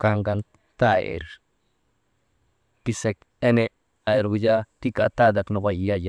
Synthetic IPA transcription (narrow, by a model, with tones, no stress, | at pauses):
ka˧ŋɡa˧n | t̪a˦ḛ˨ɾ | pi˧se˧k | e˦ne˨ | a˨ɾɡu˧d͡ʒa˦t̪i˦ka̰˨t̪a˦d̪a˨kno˨ba˧˨jja˦ja˦